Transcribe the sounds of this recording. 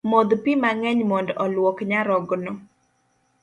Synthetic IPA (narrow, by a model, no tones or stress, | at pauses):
mod̪pimaŋɛɲmɔndɔlwɔkɲaɾɔɡnɔ